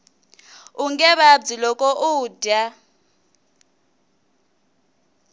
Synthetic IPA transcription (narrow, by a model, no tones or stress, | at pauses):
uŋɡɛβab͡ʐilɔkʼɔʔuːda